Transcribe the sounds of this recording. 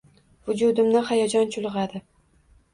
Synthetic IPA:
vʊd͡ʒud̪ɪmnɪhajad͡ʒɒnt͡ʃʰʊlˠʁɑd̪ɪ

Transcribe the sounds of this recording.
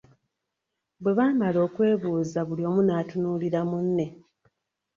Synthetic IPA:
bwe̞βaːmalo̞ːkwe̞ːβuːzaβulio̞ːmunaːtunuːliɾamunːe̞

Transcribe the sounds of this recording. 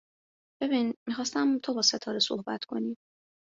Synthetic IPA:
b̥e̞biːnmiːxɒːst̪æmt̪ʰo̞bɒːset̪ʰɒːɾeso̞̰hbæt̪ʰkʰo̞̰ni̥ː

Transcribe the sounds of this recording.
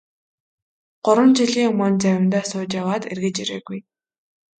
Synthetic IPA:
ɢ̥ʊɾwə̆mt͡ɕiɮiːŋɵmɵnt͡sæwʲɪ̆nt̪æːsʊːt͡ɕjawaːt̪ḛrɣɘ̆t͡ɕiɾḛːɣuj

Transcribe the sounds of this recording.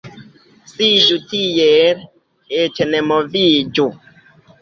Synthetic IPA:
sid͡ʒutijɛɾ | et͡ʃɛnɛmɔvid͡ʒu

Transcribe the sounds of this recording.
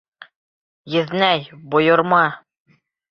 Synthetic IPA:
jɘ̆ðnæjbŏjŏɾmɑ

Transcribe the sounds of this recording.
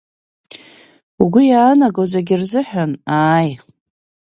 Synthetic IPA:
uɡʷʊjaːnaɡozaɡʲɪrzɨħanaːj

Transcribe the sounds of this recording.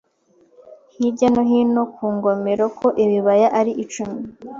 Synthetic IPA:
hibɟanoɦino̞kʰuːŋɡomeɾokʰo̞ʔiβiβajaʔaɾiʔit͡ʃumi

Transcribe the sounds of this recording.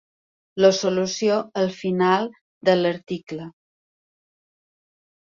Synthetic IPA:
ləsulusioəlˠfinalˠ | d̪ələɾt̪iklə

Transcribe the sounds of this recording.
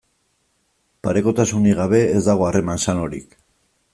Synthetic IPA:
paɾe̞ko̞t̪asuniɣaβ̞e̞ːzd̪aɣ̞o̞are̞mansano̞ɾḭk

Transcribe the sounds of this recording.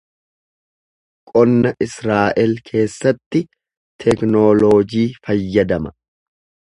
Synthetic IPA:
kʼɔnːɐʔɪsɾaːʔɛlkʰe̞ːsːɐt̪ːɪ | t̪ʰɛknoːloːd͡ʒiːfɐjːɐd̪ɐmɐ

